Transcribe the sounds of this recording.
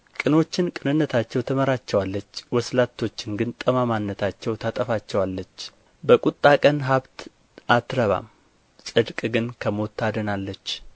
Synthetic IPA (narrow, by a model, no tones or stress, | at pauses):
kʼɨno̞t͡ʃːɪnkʼɨnɨnːət̪ʰat͡ʃːɛwt̪ʰəməɾat͡ʃːɛwalːət͡ʃːwɔslat̪ʰːo̞t͡ʃːɪnɡɨnt̪ʼəmamanːət̪ʰat͡ʃːɛwt̪ʰat̪ʼəfat͡ʃːɛwalːət͡ʃː | bəkʼut̪ʼːakʼənɦaβt̪ | ʔat̪ɾəβa̰m | sʼɨd̪kʼɡɨnkʰəmot̪ʰːad̪ənalːət͡ʃː